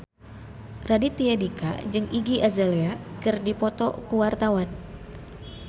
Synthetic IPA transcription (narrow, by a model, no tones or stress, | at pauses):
radit̪iadika̰d͡ʒɨŋiɡiʔazaleakɨrdipɔt̪ɔ̰kuwart̪awan